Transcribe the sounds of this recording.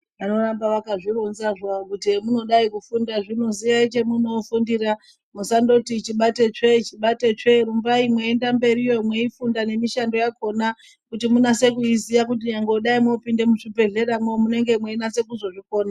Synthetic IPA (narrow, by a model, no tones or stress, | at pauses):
ʋano̞rambaʋakaʐironzaʐaokutimuno̞ɗaikufundaʐino̞ziʋait͡ʃe̞muno̞fundiɾa | musando̞tit͡ʃiɓate̞t͡ʂe̞t͡ʃiɓate̞t͡ʂe̞ɾumbvaimweːndambe̞ɾijomweifundane̞miʃando̞jako̞na | kutimunase̞kuizijak̬ut̬iɲaŋɡoɗaimo̞pinde̞muʐipe̞ɮe̞ɾamwomune̞ŋɡe̞mweinase̞kuzo̞ʐiko̞ːna